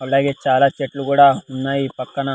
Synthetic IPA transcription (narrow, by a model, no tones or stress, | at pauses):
ɐlaɡet͡ʃaːlat͡ʃeʈluɡoɽaunːaipɐkːana